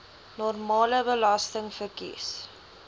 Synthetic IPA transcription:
nɔrmɑːləbəlɑstəŋfərkḭs

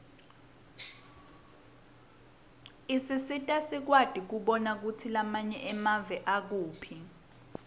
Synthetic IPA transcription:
isisitʼasik̬wad̥ʱik̬uɓɔnak̬utʰilamaɲɛʔɛmavɛʔak̬uːpʰi

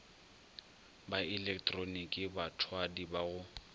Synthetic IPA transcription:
baɪlɛktʼronikʼɪbatʰwadibaɣʊ

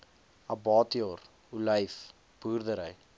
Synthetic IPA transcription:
ɐbɑːtioɾ | uləjf | b̥urdəɾəj

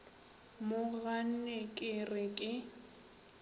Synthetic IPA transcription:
mʊɣan̩nɛkʼɪrɪkʼɪ

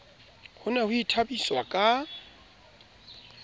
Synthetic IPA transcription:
hʊnɛhʊitʰabiswakʼa

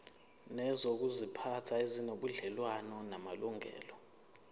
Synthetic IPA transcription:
nɛzok̬uzipʰatʰaizinoɓuɮɛlwanɔnamaluŋʱɛ̰ːlɔ

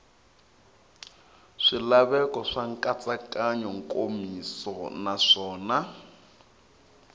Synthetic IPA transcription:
ʂilaβɛkɔʂaŋkʼat͡sʼakʼaɲɔŋ̩kʼomisɔnaʂɔːna

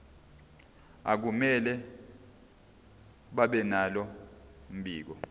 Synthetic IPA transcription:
a̰k̬umɛlɛ | ɓaɓɛnalɔm̩ɓiːk̬ɔ

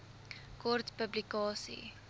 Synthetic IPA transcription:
kɔrtpəblikɑːsḭ

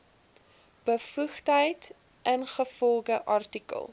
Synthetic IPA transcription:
b̥əfuχtɦəjt | ʔənχəfɔlˠɡəʔɑrtikə̰lˠ

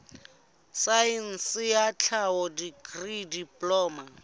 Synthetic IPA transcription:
sain̩sɪjat͡ɬʰaɔdiɡridipʼlɔːma

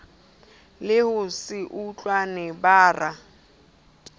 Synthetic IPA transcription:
lɪhʊsɪʔut͡ɬʼwanɛbaːra

